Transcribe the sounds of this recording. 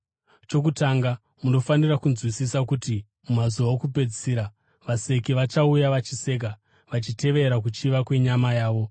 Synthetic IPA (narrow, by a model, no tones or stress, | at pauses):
t͡ʃo̞k̬utaŋɡa | muno̞fanirakunzwisisakuti | mumazuʋaokupe̞d͡ziɾa | ʋase̞kiʋat͡ʃaujaʋat͡ʃise̞k̬a | ʋat͡ʃite̞ʋe̞ɾak̬ut͡ʃiʋakwe̞ɲamajaːʋo̞